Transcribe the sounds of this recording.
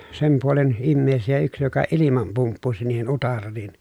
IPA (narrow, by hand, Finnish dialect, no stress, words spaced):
sem puolen imːeːsijæ yks jokɑ ilimɑm pumpːusi niːhen utɑrːiːn